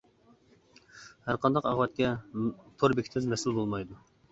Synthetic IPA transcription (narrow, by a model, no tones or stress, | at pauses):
hæɾqʰɑnd̪ɑqɑʁwɛt̪̚kʲɛt̪ʰoɾbɪkʲʰt̪ʰɪɪzmɛsulˠbolˠmɑjd̪u